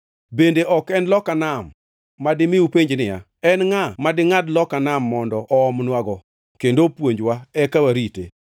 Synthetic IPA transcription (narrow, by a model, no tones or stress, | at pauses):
bendeʔɔkɛnlɔkanamː | adɪmɪupeɲd͡ʒnɪja̰ | ɛnŋamadɪŋadlɔkanamːɔndɔʔɔɔmnwaɡɔ | kendopwoɲd͡ʒwaɛkawaɾitḛ